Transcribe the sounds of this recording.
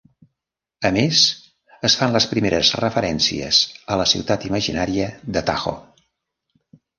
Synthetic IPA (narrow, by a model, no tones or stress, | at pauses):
əmez | əsfanləspɾimeɾəzrəfəɾɛnsḭə̰zələsḭwt̪at̪iməʒinaɾiəðət̪a̰xo̰